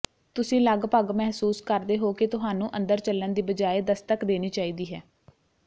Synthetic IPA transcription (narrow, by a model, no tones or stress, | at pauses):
t̪ʊsĩːləɡpəɡmɛɦsuːskəɾd̪eːɦoːket̪ʊɦaːnũːʔənd̪əɾt͡ʃəlːənd̪iːbəd͡ʒaːeːd̪əst̪əkd̪eːniːt͡ʃaːiːd̪iːɦɛː